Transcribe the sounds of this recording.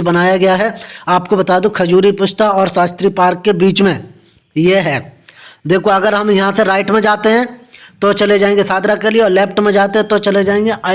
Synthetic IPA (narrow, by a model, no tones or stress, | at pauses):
bɐnaːjaɡɐjaɦɛaːpkobɐt̪aːd̪õkʰɐd͡ʒuːɾipʊʃt̪aɔːɾsaːst̪ɾipaːɾkːebiːt͡ʃmẽ | jeɦɛːd̪eːkʰoɐɡəɾɦɐmjɐɦãseɾaːɪʈmẽd͡ʒaːt̪eɦɛ̃t̪ot͡ʃɐled͡ʒaːẽːŋɡesaːd̪ɾakelieɔːɾlɛːpʈmẽd͡ʒaːt̪eɦɛ̃t̪ot͡ʃɐled͡ʒaːẽːŋɡeʔa